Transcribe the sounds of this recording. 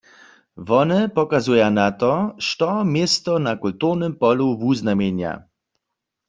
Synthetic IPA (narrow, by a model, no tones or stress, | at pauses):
ʋɔnɛpɔkazujanat̪ɔʃtɔmjest̪ɔnakult̪uʁnəmpɔluwuznamenja̰